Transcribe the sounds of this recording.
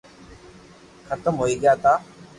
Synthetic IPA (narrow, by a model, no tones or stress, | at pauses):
kʰət̪əmɦoːiːɡəjaːt̪aː